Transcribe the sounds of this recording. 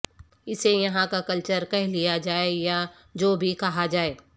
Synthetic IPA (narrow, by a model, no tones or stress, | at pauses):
ɪsejɐɦãkakɐlt͡ʃəɾkɛɦlijad͡ʒaːeja | d͡ʒoːbʱikɐɦad͡ʒaːeː